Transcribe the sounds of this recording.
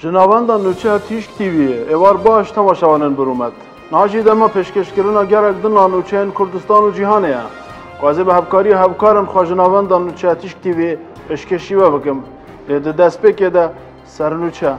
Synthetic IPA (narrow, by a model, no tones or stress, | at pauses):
ʒɨnɑːvɛnd̪ɑːnuːt͡ʃʰɛjɑt̪ʰiʃk̚t̪ʰivieewɑːɾbɑːʃt̪ʰɛmɑːʃɛvɑlɨnbɨɾumɛt̪ | nɨhɑːʒid̪ɛmɑpʰeːʃkeʃkɨɾɨnɑːɡɛlɛk̚d̪ɨnɑnuːt͡ʃʰɛjenkʰʊɾd̪ɨst̪ɑːnud͡ʒiɦɑːnejɛ̰ | kʊɛzebɨhɛfkʰɑːɾijɑɦɛvkʰɑːɾenxʷɛʒɨnɑːvɛnd̪ɑnut͡ʃʰɛjɛt̪ʰiʃk̚t̪ʰivie | pʰeːʃkeʃiwɛbɨkɨm | leːd̪ɨd̪ɛspeːked̪ɛ | sɛɾnuːt͡ʃʰɛ